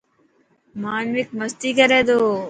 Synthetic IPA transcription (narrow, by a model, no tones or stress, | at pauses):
maːnʋik̚mɐst̪iːkɐɾeːd̪oː